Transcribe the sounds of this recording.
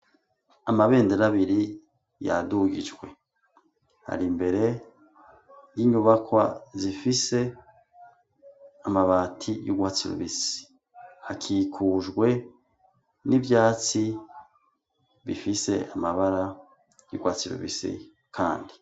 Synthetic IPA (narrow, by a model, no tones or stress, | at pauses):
amaβe̞ːndeɾaβiɾi | ja̰duɡid͡ʒɡwe̞ | ha̰ɾimbe̞ɾe̞ | jiɲuβakwa̰zifise̞ | amaβaːtʰijuɡwaːt͡siɾṵβisi̥ | hakʰikʰuʒɡwe̞ | nivjaːt͡si | βifise̞ʔamaβaɾa | jṵɡwaːt͡siɾṵβisḭ | kʰaːndi